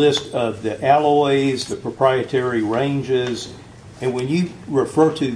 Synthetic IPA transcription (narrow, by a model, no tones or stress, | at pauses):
ɪstʌvðiʔælˠɔɪzðɨpʰɹ̥əpʰɹ̥aɪɨtʰɛɹiɹẽɪ̃nd͡ʒɪz | ɨ̃nwɨ̃njɨɹɨfɜ˞ɾɨ